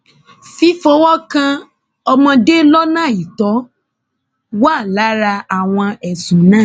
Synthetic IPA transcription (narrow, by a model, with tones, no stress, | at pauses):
fi˦fo˧wɔ˦kã˧ | ɔ˧mɔ̃˧de˦lɔ˦nãː˦˨i˨tɔ˨˦ | wa˦˨la˨˦ɾa˧a˨w̃ɔ̃˧ɛ˨sũ˨˦nãː˦˨